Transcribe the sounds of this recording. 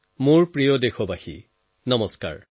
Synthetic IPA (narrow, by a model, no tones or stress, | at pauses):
mʊɹpɹijɔdexɔbaxḭ | nɔmɔska̰ɹ